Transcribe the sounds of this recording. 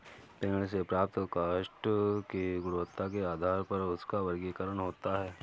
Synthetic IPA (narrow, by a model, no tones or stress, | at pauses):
peːnəɭsepɾaːp̚t̪kaːʃʈkeɡʊɽʊʋət̪ːak̬eaːd̪ʱaːɾpɐɾʊskaʋɐɾɡikəɾəɳ̃ɦoːt̪aɦɛː